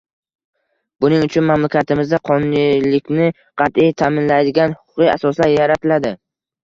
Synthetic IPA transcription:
bʊnɪŋʊt͡ʃʰʊnmamlakʲʰat̪ʰɪmɪzd̪aqʰɒnʊnilɪkʲnɪ | qʰɑt̪ijt̪ʰamɪnlajd̪ɪɡʲanhʊ̥qʰʊ̥qɨa̰sɒslaɾjaɾat̪ʰɪlad̪ɪ

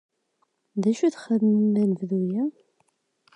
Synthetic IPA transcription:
ðæʃuθχəðnænəvðujæ

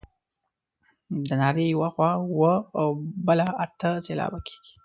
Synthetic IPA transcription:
d̪ənɑɾejawaxwɑwəawbəlaat̪əselɑ̰bakʰe̥ɡ̥i̥

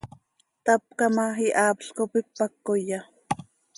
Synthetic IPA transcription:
t̪ap̚kamaɦiʔaːpɬkopik̚pakːoja

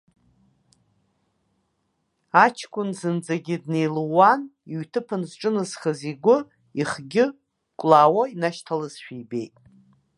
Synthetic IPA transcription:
at͡ʃʰkʷʼʊnzɨnd͡zaɡʲɪdne̞jluwaniɥtʰɨpʰanzʈ͡ʂʼɨnɨz̥χəziɡʷʊ | iχɡʲɪ | kʷʼlaːwainaʃtʰalɨzʃᶣijbejtʼ

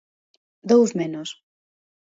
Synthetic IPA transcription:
d̪owzmenos

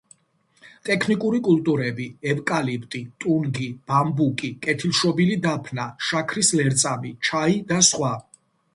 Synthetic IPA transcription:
t̪ʼɛkʰnikʼuɾikʼulˠt̪ʼuɾɛbiɛvkʼalipʰt̪ʼit̪ʼunɡib̥ambukʼikʼɛt̪ʰilˠʃɔbilid̪apʰnaʃakʰɾislɛɾt̪sʼamit͡ʃʰaid̪asχwa

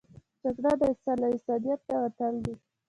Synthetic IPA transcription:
d͡ʒaɡɽad̪əɪkt̪sɑlaɪ̥sɑd̪ijat̪̚d̪awat̪and̪i

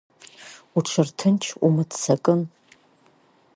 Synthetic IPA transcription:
uʈ͡ʂʷʰɨrtʰɨnt͡ʃʰumɨtʰt͡sakʼɨn

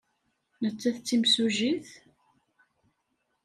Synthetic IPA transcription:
nət͡sːæθt͡sːimsuʒiθ

